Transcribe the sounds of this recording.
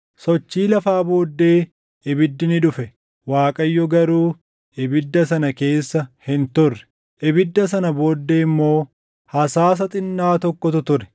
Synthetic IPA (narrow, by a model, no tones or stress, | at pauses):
sɔt͡ʃːiːlɐfaːbo̞ːd̪ːe̞ː | ʔɪbɪd̪ːɪnɪᶑʊfɛ | waːkʼɐjːɔɡɐɾuː | ʔɪbɪd̪ːɐsɐnɐke̞ːsːɐhɪnt̪ʊrːɛ̥ | ʔɪbɪd̪ːɐs̬ɐnɐbo̞ːd̪ːeːɪmːo̞ː | hɐsaːs̬ɐt̪ʼɪnːaːt̪ɔkːɔt̪ʊt̪ʊɾɛ̥